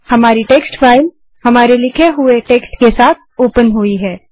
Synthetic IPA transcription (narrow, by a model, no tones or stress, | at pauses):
hɐmaːɾiʈeːksʈfaːɪm | hɐmaːɾelɪkʰeɦʊeʈeːksʈkesaːt̪̚ʰoːpənɦʊiɦɛː